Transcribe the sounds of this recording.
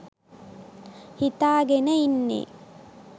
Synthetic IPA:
hit̪aːɡenəinːḛː

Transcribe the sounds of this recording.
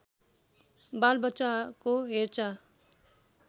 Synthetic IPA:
balbʌtːt͡ʃakoɦeɾt͡sa

